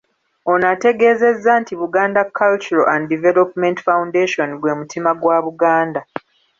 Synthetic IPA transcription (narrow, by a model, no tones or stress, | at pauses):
o̞nate̞ɡe̞ːze̞zːantiβuɡaːndakʰːalt͡ʃuɾoanddivelopmentfawundeʃo̞nɡwe̞ːmutimaɡwaːβuɡaːnda